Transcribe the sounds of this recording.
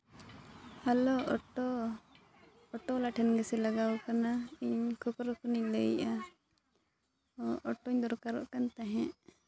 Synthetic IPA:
hɛlɔɔʈɔ | ɔʈɔlaʈʰɛnɡɛsɛlaɡawkanaiɲkʰɔkɔɾɔkʰɔniɲləjʔa | ɔʈɔɲd̪ɔɾkaɾɔ̰ʔkant̪aɦɛ̃ʔ

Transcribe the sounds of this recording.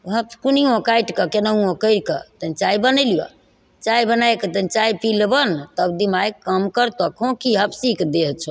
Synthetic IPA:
ɦəbkuniõkajʈkəkenəũõkəjɾkə̰t̪ənt͡ʃajbənəlijɔ̰ | t͡ʃajbənajkət̪ənt͡ʃaipilbənt̪əbd̪imajkəmkəɾt̪ɔkʰõkiɦəbsikʰd̪et͡ʃʰɔ

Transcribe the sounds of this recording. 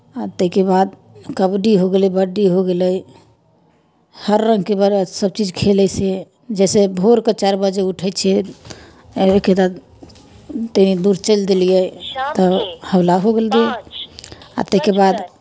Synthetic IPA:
at̪əɦkebad̪ | kəbɖiɦoɡelɛbəɖːiɦoɡeləj | həɾːə̃ŋɡkebaɾsəb̚t͡ʃid͡ʒkʰelɛse | d͡ʒɛsebʱoɾkət͡ʃaɾbəd͡ʒeuʈʰɛt͡ʃʰɛ | eked̪ad̪ | t̪eid̪uɾt͡ʃəld̪elijɛt̪ɔhəwlaɦoɡeld̪e | a̰t̪əɦikebad̪

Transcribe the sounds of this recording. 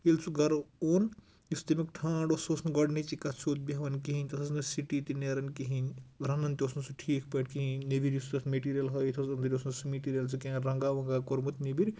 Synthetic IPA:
ilt͡sʰuɡɐɾoːn | ist̪imikʈʰaːɳɖososnɐɡɐɽnit͡ʃikɐt͡sʰoːt̪̚bʲiɦɐʋɐnkiɦinʲt̪ɐsʰɐsnɐsiʈit̪ineɾɐnkiɦinʲɾɐnɐnt̪ʲosnusʰuʈʰiːkʰpɐʈkiɦinnibiɾjisut̪ɐsmeʈiːɾijɐlɦɐjt̪ʰosɐnd̪ɐɾʲjosnusumeʈiːɾijɐlsʰukeɾɐŋɡaːʋɐŋɡakoɾmut̪nibiɾʲ

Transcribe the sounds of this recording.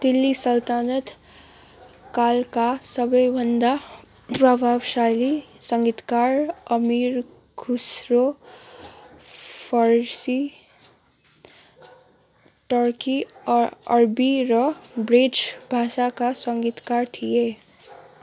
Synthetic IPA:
d̪ilːisʌlt̪anət̪ | kalkasʌbʌjbʱʌnd̪a | pɾʌbʱabsalisʌŋɡit̪kaɾʌmiɾ | ɡʱusɾo | pʰʌɾsi | ʈʌɾki | ʌɾbiɾʌbɾed͡ʒbʱasakasʌŋɡit̪kaɾt̪ʰije

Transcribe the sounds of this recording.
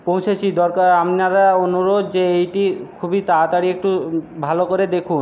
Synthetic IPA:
põwt͡ɕʰet͡ɕʰid̪ɔɾkaɾamaɾaonuɾod̪d͡ʑeejʈikʰubit̪at̪aɽiek̚ʈubʱalokoɾed̪ekʰun

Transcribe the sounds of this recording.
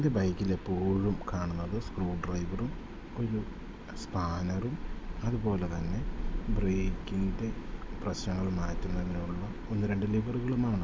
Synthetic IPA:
ind̪ebɐjkːile̞pːoːɻumkaːɳunːɐðɨskruːɖrɐjʋɐrum | o̞ɾu | spaːnɐrumɐðubo̞ːle̞t̪ɐnːe̞breːkːiŋd̪eprɐɕnɐŋːɐɭmaːtːunːɐɐðinuɭːɐ | onːɨɾe̞ɳɖɨliʋɐruɣɐɭumaːɳɨ

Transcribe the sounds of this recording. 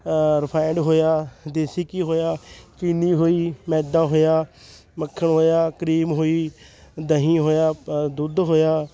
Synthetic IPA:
ɾəpʰaːɪɳɖɦoːjaːd̪eːsiːkiːɦoːjaːkiniːɦoːiːmɛːd̪ãːɦoːjaː | məkʰːəɳɦoːjaːkəɾiːmɦoːiːd̪əɦĩːɦoːjaːd̪ʊd̪ɦoːjaː

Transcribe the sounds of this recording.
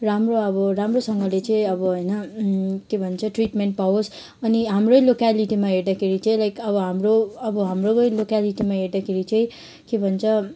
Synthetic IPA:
ramroʌbʌɾamrosʌŋɡʌlet͡sʌ̃ĩʌbʌɦojnʌkebʱʌnt͡sʰʌʈriʈmeɳʈ̚paos | ʌniɦamrojlokaliʈimaɦeɾd̪akʰeɾit͡sʌĩlajkʌbʌɦamroʌbʌɦamrojlokaliʈimaɦeɾd̪akʰeɾit͡sʌ̃ĩ | kebʱʌnt͡sʰʌ

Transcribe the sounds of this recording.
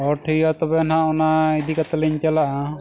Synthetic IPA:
ɔʈʰiat̪ɔbɛnãʔɔnaid̪ikat̪aliɲt͡ʃalaʔa

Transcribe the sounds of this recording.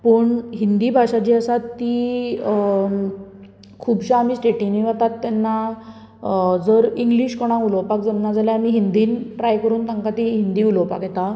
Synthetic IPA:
pəːɳɦind̪iːbʱaɕat͡ɕiːəsat̪ːi | kʰuːbɕaːmiːsʈeʈiniʋat̪at̪ːɛnːa | d͡zəɾiŋɡliːɕkɔɽ̃ãkulɔwpakd͡zəmnad͡zaljaamiɦind̪iːnʈɾajkəɾuːnt̪aŋkat̪iɦind̪iːulɔwpa̰kjɛt̪a

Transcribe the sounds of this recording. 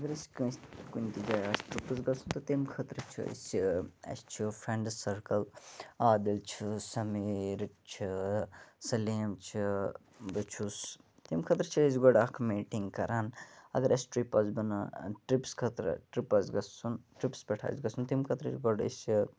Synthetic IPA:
ɐɡɐɾɐsʲkɐskunʲt̪id͡ʒaːjɐsʲʈɾipɐzɡɐsunt̪ut̪imkʰɐt̪ɾɐt͡ʃʰḭɐ̰sʲiɐ̰sʲt͡ʃʰifɾeɳɖsɐɾkɐlaːd̪ɐlt͡ʃʰisɐmeɾɐt͡ʃʰi | sɐleːmt͡ʃʰi | bɐt͡ʃʰus | t̪imkʰɐt̪ɾt͡ʃʰiɐs̬ʲɡoɖakʰmiːʈiŋɡkɐɾaːnɐ̰ɡɐɾʔɐsʲʈɾipɐzbɐnɐʈɾipskʰɐt̪ɾə̰ʈɾipɐzɡɐsunʈɾipspʲɐʈʰa̰ːzɡɐsunt̪imkʰɐt̪ɾɐ̰sɡoɖɐ̰sʲi

